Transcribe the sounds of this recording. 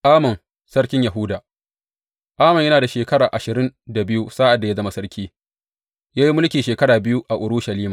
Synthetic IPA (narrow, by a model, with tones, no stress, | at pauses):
ʔaː˦mɐ˨n | sɐ˦ɽkʲɪ˦ɲja˨ɦʊ˦daː˨ | ʔaː˦mɐ˨ɲjɐ˦naː˨da˨ʃeː˨kɐ˦ɽaː˨ʔa˨ʃɪ˨ɾɪ˦nda˨bɪ˦ju˦sa˦ʔa˨dːa˨ja˦zɐ˦ma˦sɐ˦ɽkʲʰiː˦ | jaː˦ji˦mʊ˦lkʲiː˨ʃeː˨kɐ˦ɽaː˨bɪ˦ju˦ʔa˨ʔʊ˨ɽuː˦ʃɐ˨liː˦ma˨